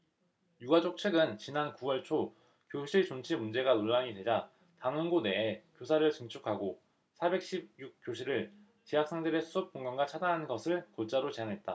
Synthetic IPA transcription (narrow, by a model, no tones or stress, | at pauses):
juɡad͡ʑok̚t͡ɕʰeɡɯnt͡ɕinankuwʌɭt͡ɕʰo | kjoɕʰiɭt͡ɕont͡ɕʰimund͡ʑe̞ɡanoɭːaŋidwe̞d͡ʑa | taŋɯnɡone̞ekjosʰaɾɯɭt͡ɕɯŋt͡ɕʰukʰaɡo | sʰabe̞k̚ɕ͈ʰib̚juk̚k͈joɕʰiɾɯɭ | t͡ɕijak̚s͈ʰeŋdɯɾe̞sʰuɯp̚k͈oŋɡaŋɡat͡ɕʰadanɦannɡʌsʰɯɭkot͡ɕ͈aɾot͡ɕe̞aŋɦe̞t̚t͈a